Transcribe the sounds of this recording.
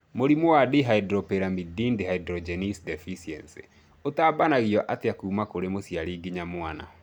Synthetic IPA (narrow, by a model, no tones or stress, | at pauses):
moɾimowadiɦaidɾɔpeɾamidindeɦaidɾɔd͡ʒɛnisdɛfisiɛ̰nsḛ | otaːbanaɣiɔʔateakuːmakoɾemosjaɾiɡiɲamwana̰